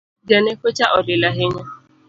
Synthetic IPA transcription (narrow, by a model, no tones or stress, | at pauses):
d͡ʒanekʷet͡ʃaʔɔdɪlaɦɪɲa